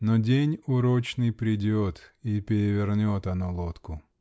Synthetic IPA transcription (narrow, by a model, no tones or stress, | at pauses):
nɔdʲenʲʊɾot͡ɕnɨjpɾʲɪdʲot̪ipʲɪɾʲɪvʲɪrnʲot̪ɐnɔlˠot̪kʊ